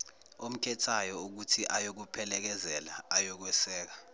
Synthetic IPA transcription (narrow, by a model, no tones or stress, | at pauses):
om̩kʰɛtʰajɔuk̬utʰiʔajok̬upʰɛlɛk̬ɛzɛlaajɔk̬wɛsɛːk̬ḁ